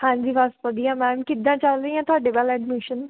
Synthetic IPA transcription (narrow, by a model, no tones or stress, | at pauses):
hãːɲd͡ʒiːʋəst̪ʋəd̪ijãːmɛ̃ːmkɪd̪ãːt͡ʃəlɾəiãːt̪ʊaːɖeːbaːlɛːɖmiʃən